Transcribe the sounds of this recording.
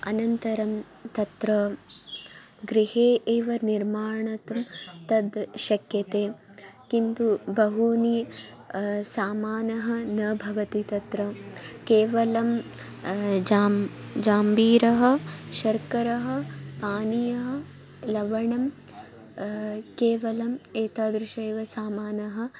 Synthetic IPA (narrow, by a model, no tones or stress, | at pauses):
ɐnɐnt̪ɐɾɐm | t̪ɐt̪ɾɐ | ɡɾiɦeːʔeːʋɐniɾmaːɳɐt̪ɐmt̪ɐd̪ʃɐkjɐt̪eːkint̪ubɐɦuni | saːmaːnɐɦɐ̆nɐbʱɐʋɐt̪it̪ɐt̪ɾɐkeːʋɐlɐm | d͡ʒaːmd͡ʒaːmbiːɾɐɦɐ̆ʃɐɾkɐɾɐɦɐ̆paːnijɐɦɐ | lɐʋɐɳɐm | keːʋɐlɐmeːt̪aːd̪ɾuʃeːʋɐsaːmaːnɐɦɐ̆